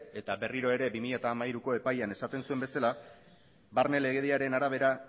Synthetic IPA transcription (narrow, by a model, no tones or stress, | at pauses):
e̞t̪abe̞riɾo̞e̞ɾe̞bimiʎat̪aːmaiɾuko̞e̞pajane̞sat̪e̞nsue̞mbe̞sala | βaɾne̞le̞ɣeðiaɾe̞naɾaβ̞e̞ɾa